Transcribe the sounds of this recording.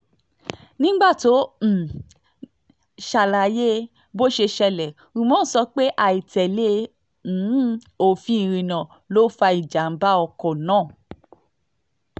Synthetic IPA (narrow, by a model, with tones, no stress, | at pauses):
nĩ˦ɡ͡ba˦˨to˨˦m̩˨ | ʃa˧˨la˨˦je˦ | bo˦ʃe˧ʃɛ˧lɛ˨ | ũ˧mɔ̃˦˨˦sɔ˧k͡pe˦ʔa˨i˨tɛ˨le˦ | n̩˨˦ | o˨fĩ˧˦˧ɾ̃ĩ˧˨nã˨ | lo˦fa˧i˨d͡ʒa˨m̩˦ba˦ɔ˧kɔ˨nãː˦˨